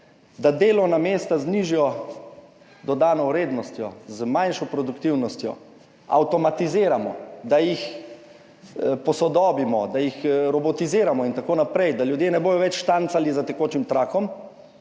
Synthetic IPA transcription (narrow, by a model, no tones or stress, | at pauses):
d̪ad̪eːlɔnamest̪azniʒijɔ | d̪ɔd̪aːnɔwɾeːd̪nɔst̪jɔzmanʃɔpɾɔd̪ukt̪iwnɔst̪jɔ̰ | a̰wt̪ɔmat̪iziːɾamɔd̪ajix | pɔsɔd̪ɔːbimɔd̪ajixɾɔbɔt̪iziːɾamɔint̪akoːnapɾɛjd̪aljud̪jeːnɛboːjɔʋɛt͡ʃʃt̪ant̪salizat̪ɛkoːt͡ʃimt̪ɾaːkɔm